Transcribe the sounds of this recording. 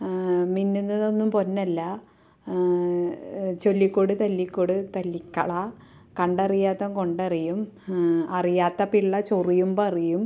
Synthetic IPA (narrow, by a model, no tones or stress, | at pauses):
minːunːɐonːumpo̞nːɐlːɐ | t͡ɕo̞lːikːoːɽɨt̪ɐlːikːoːɽut̪ɐlːikːɐ̰ɭɐ | kɐɳɖɐrijaːt̪ːɐmko̞ɳɖɐrijum | ɐrijaːt̪ːɐpiɭːɐt͡ɕorijumbɐɐrijum